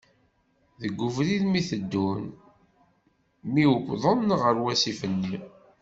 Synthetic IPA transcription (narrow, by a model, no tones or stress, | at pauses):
ðəɡʷːuvliðmiθəd̪ːun | miwəkʷːðˤənʁəɾwæsifənːi